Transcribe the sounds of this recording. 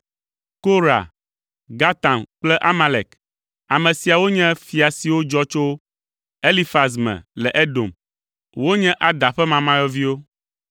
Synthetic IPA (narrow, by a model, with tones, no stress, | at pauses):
ko˦ɾa̰˨ | ɡa˦t̪ã˨mk͡plɛ˦ʔa˦ma˨lḛ˨k | a˨mɛ̃˨si˨a˨wo˦ɲɛ̃˦fi˨a˨si˨wo˦d͡ʒɔ˦t͡ʃo˦ | e˦li˦fa˨s̬mɛ̰̃˨lɛ˨ʔe˦do̰˨m | wo˦ɲɛ̃˦ʔa˨d̪a˨ɸɛ˦mã˨mã˦jɔ˦vi˦wo˦